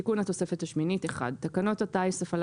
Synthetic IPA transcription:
ikunhat̪o̞se̞fethaʃminiteχa̰d̚t̪akano̞tataisefal

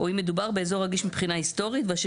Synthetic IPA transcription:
ʔoimed̪ubaʁbe̞ezo̞ʁaɡiʃmipχinahist̪o̞ʁit̪veaʃ

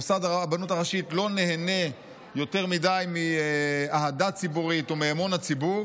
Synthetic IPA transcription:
sadaabanutaʁaʃitlo̞ne̞ɦene̞ | jo̞te̞ʁmidajmiaɦadat͡sibuʁitomiamo̞nat͡sibuʁ

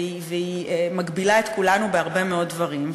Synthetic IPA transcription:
iveimaɡbilaet̪kulanubeaʁbe̞meo̞t̚dvɐʁim

